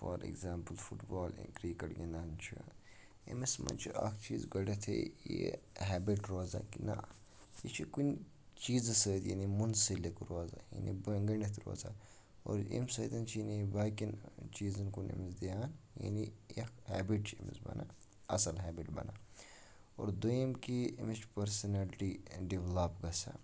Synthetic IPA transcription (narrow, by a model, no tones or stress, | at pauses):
foːɾḛɡzaːmpəlfuʈbaːlḭnkɾiːkɐɽɡʲenaːnt͡ʃʰi | ḛmismɐ̰nt͡ʃʰiʔɐkʰt͡ʃiːzɡɐɽet̪ʰḛjḛɦɛːbiʈɾoːzankinɐ̰ | jet͡ʃʰikun | t͡ʃiːzɐsəːt̪jḭnimunsilikɾoːza̰jḭnibɐɡɐɳet̪ʰɾo̰ːzaː | o̰ːɾḭmsɐd̪ɐnt͡ʃʰinibaːkint͡ʃiːzɐnkunḭmizd̪ijaːnja̰nijɐkʰhɛːbiʈt͡ʃʰimḭzbɐ̰na | ɐsɐlɦɛːbiʈbɐ̰naː | o̰ːɾd̪ujimkiimit͡ʃʰpɐɾsɐnɐlʈiɖiʋlapɡɐsa̰